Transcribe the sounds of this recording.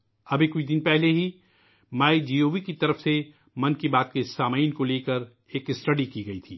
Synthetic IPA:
ɐbʱikʊt͡ʃʰd̪ɪnpɛɦleɦi | maːid͡ʒiːoːʋikit̪ɐɾəfse | mɐnkibaːt̪̚kesaːmaːiɪnkoleːkəɾ | eːkɪsʈɐɖikiɡɐit̪ʰiː

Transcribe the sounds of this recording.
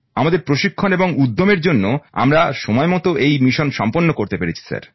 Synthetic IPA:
amad̪eɾpɾoʃikʰːoneboŋud̪ʱːomeɾd͡ʑonːoa̰mɾaʃɔmɔemɔt̪oʔejmiʃonʃɔmponːokoɾt̪epeɾet͡ɕʰi̥sa̰ɾ

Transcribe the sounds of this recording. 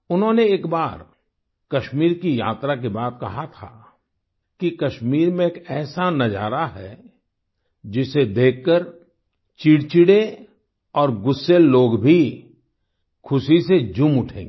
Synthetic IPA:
ʊnɦõːneeːkbaːɾ | kɐʃmiːɾkija̰ːt̪ɾakibaːt̪̚kɐɦat̪ʰa̰ | kikɐʃmiːɾmẽeːkɛːsanɐd͡ʒa̰ːɾaɦɛ | d͡ʒɪsed̪eːkːəɾ | t͡ʃiːɽt͡ʃiɽe | ɔːɾɡʊsːelloːɡbʱi | kʰʊsised͡ʒʊmʊʈʰḛ̃ːŋɡeː

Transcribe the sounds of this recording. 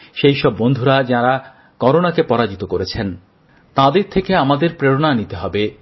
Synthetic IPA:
ʃejʃɔbːond̪ʱuɾad͡ʑaɾa | kɔɾonakepɔɾad͡ʑit̪okoɾet͡ɕʰen | t̪ãd̪eɾt̪ʰekeamad̪eɾpɾeɾonanit̪eɦɔbe

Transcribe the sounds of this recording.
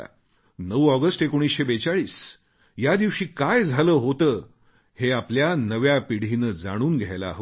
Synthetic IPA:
nəʋɔɡəsʈekoɽ̃isɕebet͡saɭiːs | jad̪iʋɕiːkajd͡zʱaləːɦot̪əː | heapljanəʋjapiɽ̤iːnəd͡zaɽ̃uːnɡʱjajla̰ɦ

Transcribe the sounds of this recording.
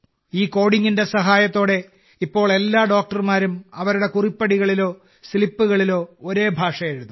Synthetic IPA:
iːko̞ːɽiŋːinde̞sɐɦaːjɐt̪ːo̞ːɽe̞ | ipːo̞ːɭe̞lːaːɖo̞ːk̚ʈɐrmaːɾumɐʋɐɾuɽe̞kuripːɐɽiɣɐɭilo̞ː | silipːuɣɐɭilo̞ːoɾe̞ːbʱaːʂɐje̞ɻuðu

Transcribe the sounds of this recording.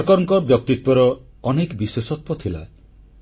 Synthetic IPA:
kɔɾɔ̃ŋkɔbjɔk̚t̪it̪wɔɾɔː | nekbiswesɔt̪̚wɔt̪ʰila̰e

